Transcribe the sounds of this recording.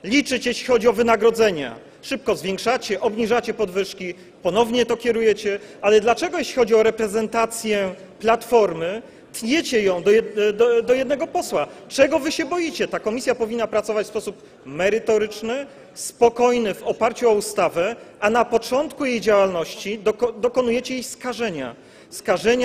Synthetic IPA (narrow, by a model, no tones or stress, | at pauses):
lʲit͡ʂɘt͡ɕjeɕlʲixɔd͡ʑiɔvɘnaɡɾɔd̪zɛɲa̰ | ʂɘp̚kɔzvʲjɛ̃ŋkʂat͡ɕɛʔɔbɲiʐat͡ɕɛpɔd̪vɘʂkʲi | pɔnɔvɲɛt̪ɔkʲɛɾujɛt͡ɕɛʔalɛd̪lat͡ʂɛɡɔjeɕlʲixɔd͡ʑiɔɾɛpɾɛzɛnt̪at̪sʲjɛ | plat̪fɔɾmɘ | t̪ɲet͡ɕɛjɔ̃w̃d̪ɔɛd̪ɔjɛd̪nɛɡɔpɔswat͡ʂɛɡɔvɘɕɛbɔjit͡ɕɛt̪akɔmʲisʲjapɔvʲinːapɾat̪sɔvat͡ɕfspɔsup | mɛɾɘt̪ɔɾɘt͡ʂnɘ | spɔkɔjnɘvɔpaɾt͡ɕuɔust̪avɛʔanapɔt͡ʂɔnt̪kujejd͡ʑawalnɔɕt͡ɕid̪d̪ɔkɔnujɛt͡ɕɛjejskaʐɛɲa̰ | skaʐɛɲ